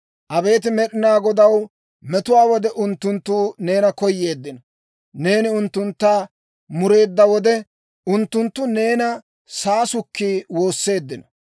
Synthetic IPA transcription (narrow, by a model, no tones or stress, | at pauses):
ʔɐbe̞ːt̪ɪmɛɗɪnaːɡɔd̪ɐw | mɛt̪ʊwaːwɔd̪ɛʔʊnt̪ːʊnt̪ːuːne̞ːnɐkɔjːe̞ːd̪ːɪnɔ | ne̞ːnɪʊnt̪ːʊnt̪ːaː | mʊɾe̞ːd̪ːɐwɔd̪ɛ | ʔʊnt̪ːʊnt̪ːʊne̞ːnɐ | saːsʊkːiːwo̞ːsːe̞ːd̪ːɪnɔ